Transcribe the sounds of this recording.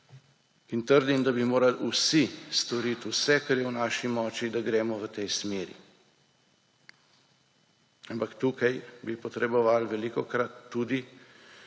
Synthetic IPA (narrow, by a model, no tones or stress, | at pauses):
int̪əɾd̪imd̪abimoːɾalusist̪ɔɾit̪usɛkaɾjɛwnaːʃimɔːt͡ʃid̪aɡɾɛːmɔʋət̪ɛjsmeːɾḭ | ampakt̪uːkajbipɔt̪ɾɛbɔʋaːlʋɛlikɔkɾat̪ːuːd̪i